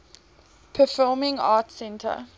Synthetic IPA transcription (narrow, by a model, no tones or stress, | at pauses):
pʰəfɔmɪ̃ŋɑ̰ːtsɛ̃ntʰə̰